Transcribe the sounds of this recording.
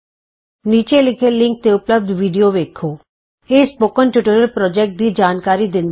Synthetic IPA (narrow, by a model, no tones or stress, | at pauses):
niːt͡ʃelɪkʰelɪ̃ŋk̚t̪eʊpləb̚d̪ʱʋiːɖijoʋeːkʰoː | eːspoːkənʈjʊʈəɾəlpɾɔːd͡ʒeːk̚ʈ̚d̪id͡ʒaːnkaːɾid̪ɪ̃nd̪